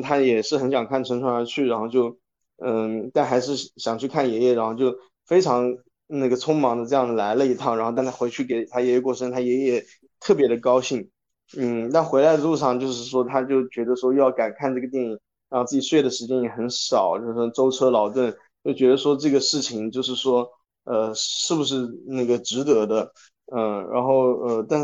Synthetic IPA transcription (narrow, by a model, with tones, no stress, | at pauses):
t̪ʰa˥jɛ˨˩ʂɻ̩˥˩xə˧˥nɕjɑ˨˩ŋkʰa˥˩nʈ͡ʂʰə˧˥ŋʈ͡ʂʰwa˧˥nə˞˧˥t͡ɕʰy˥˩ɻa˧˥nxo˥˧ʊt͡ɕjo˥˩ʊ | ə˥˩t̪a˥˩nxa˧˥ɪʂɻ̩˥˩ɕjɑ˨˩ŋt͡ɕʰy˥˧kʰa˥˩njɛ˧˥jɛ˥˩ɻa˧˥nxo˥˧ʊt͡ɕjo˥˩ʊ | fe˥ɪʈ͡ʂʰɑ˧˥ŋ | na˥˩ɡə˩t͡sʰʊ˥ŋmɑ˧˥ŋd̪ə˧ʈ͡ʂɤ˥˧jɑ˥˩ŋd̪ə˩la˧˥ɪlə˧i˧˥t̪ʰɑ˥˩ŋɻxo˥˧ʊ˥˧˩nt̪ʰa˥we˧˥ɪt͡ɕʰy˥˩ke˨˩ɪt̪ʰa˥jɛ˧˥jɛ˥˩kwɔ˥˩ʂə˥ŋt̪ʰa˥jɛ˧˥jɛ˥˩ | t̪ʰɤ˥˩p̬jɛ˧˥d̪ə˧kɑ˥ʊɕi˥˩ŋ | n̩˥˩t̪a˥˩nxwe˧˥ɪla˧˥ɪd̪ə˧lu˥˧ʂɑ˥˧ŋt͡ɕjo˥˧ʊʂ̬ɻ̩˥˩ʂwɔ˥t̪ʰa˥t͡ɕjo˥˩ʊt͡ɕɥɛ˧˥d̪ə˧ʂwɔ˥jɑ˥˩ʊka˨˩nkʰa˥˧nʈ͡ʂɤ˥˩ɡə˩t̪jɛ˥˧ni˥˩ | ɻa˧˥xʊt͡sɹ̩˥˩t͡ɕi˨˩swe˥˩ɪd̪ə˩ʂɻ̩˧˥t͡ɕjɛ˥njɛ˨˩xə˧˥nʂɑ˨˩ʊt͡ɕjo˥˧ʊʂɻ̩˥˩ʂwɔ˥ʈ͡ʂo˥ʊʈ͡ʂʰɤ˥lɑ˨˩ʊt̪̬wə˥˩n | t͡ɕjo˥˩ʊt͡ɕɥɛ˧˥d̪ə˧ʂwɔ˥ʈ͡ʂɤ˥˩ɡə˩ʂɻ̩˥˩t͡ɕʰi˨˩ŋt͡ɕjo˥˧ʊʂ̬ɻ̩˥˩ʂwɔ˥ | ə˧ʂɻ̩˥˩bu˩ʂ̬ɻ̩˥˧na˥˩ɡə˩ʈ͡ʂɻ̩˧˥t̪ɤ˧˥d̪ə˧ | ə˥˧ɻa̰˧˥nxo˥˩ʊə˧t̪a˥˧nʂ